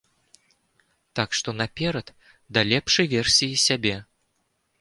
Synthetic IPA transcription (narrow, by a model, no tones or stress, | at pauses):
t̪akʂt̪ɔnapʲɛɾɐt̪ | d̪ɐlʲɛpʂɐjvʲɛrsʲijisʲabʲɛ